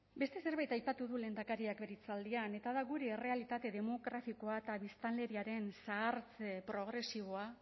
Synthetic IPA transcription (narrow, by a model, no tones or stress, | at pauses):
be̞st̪e̞se̞ɾβajt̪ajpat̪uðule̞nd̪akaɾiakbeɾit͡sald̪iane̞t̪aðaɣuɾeːre̞alit̪at̪e̞ðe̞mo̞ɣɾafiko̞aet̪aβist̪anle̞ɾiaɾe̞nsaːɾt͡sepɾo̞ɣ̞ɾe̞siβ̞o̞a